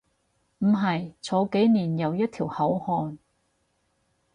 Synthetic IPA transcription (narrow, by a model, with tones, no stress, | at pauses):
m̩˨˩ɦɐ˨jt͡sʰɔː˨˥ke˨˥jniː˨˩njɐ˨˧wjɐ˥t̚t̪ʰiː˨˩whɐ˨˥whɔː˧n